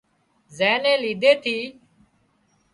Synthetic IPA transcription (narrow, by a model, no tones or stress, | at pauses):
zɛ̃ːnẽːliːd̪ʱeːt̪ʰiː